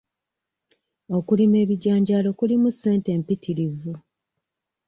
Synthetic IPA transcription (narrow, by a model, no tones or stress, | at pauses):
o̞kulime̞ːβiɟaːɲɟaːlo̞kulimusːe̞ːnte̞ːmpitʰiɾivu